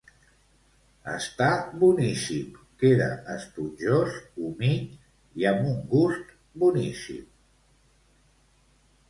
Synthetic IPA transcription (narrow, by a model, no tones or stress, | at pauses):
ə̰st̪abunisimkeɾə̰əst̪ud͡ʒʒosumiʎ | iəmbuŋɡust̪ | bunisḭm